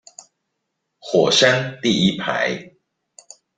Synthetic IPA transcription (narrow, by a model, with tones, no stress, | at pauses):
xwɔ˨˩ʃa˦nt̪i˥˨i˦˥pʰa̰˨˦ɪ